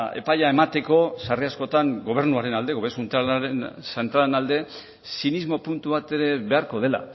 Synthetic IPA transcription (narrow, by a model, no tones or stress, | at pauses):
e̞̰pajae̞mat̪e̞ko̞sariasko̞t̪aŋɡo̞β̞e̞ɾnuaɾe̞nald̪e̞ɣoβesunt̪ɾalensent̪ɾalenald̪e̞ | sinizmo̞punt̪uβat̪e̞ɾe̞βe̞aɾko̞ð̞e̞la̰